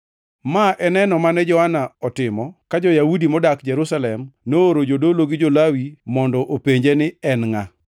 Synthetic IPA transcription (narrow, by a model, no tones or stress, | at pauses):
maʔɛnɛnɔmanɛd͡ʒɔhanaɔtɪmɔkad͡ʒɔjaudimɔdakd͡ʒɛɾusalɛmnooɾod͡ʒodoloɡɪd͡ʒolawimɔndɔʔopeɲd͡ʒenɪɛnŋa